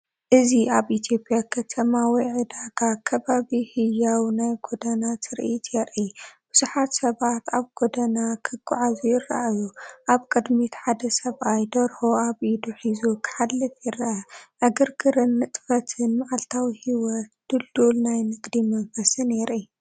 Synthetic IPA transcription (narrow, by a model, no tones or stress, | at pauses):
ʔɨziaβʔit̪ʰjo̞pʼjakʰɐt̪ʰɐmawiʕɨd̪aɡakʰɐβaβihɨjːawnajɡod̪ɐnat̪ʰɨɾʔit̪ʰjɛɾʔib̥ɨzuħat̪sɐβat̪ʰaβɡod̪ɐnakʰɨɡʼa̰ʕazujɪɾa̰ʔajuʔaβkʼɨd̪mit̪ħad̪ɐsɐβajd̪ɐɾhoaβʔid̪uħizukʰɨ̥ħalːɨfjɪɾɐʔɐʔɐɡɨɾɡɨɾɨnːɨt̪ʼfɐt̪ʰɨnmaʕalt̪ʰawihiwɔt̪d̪̥ɨld̪ulnajnɨɡd̪imɐɱfɐsɨnɛɾʔi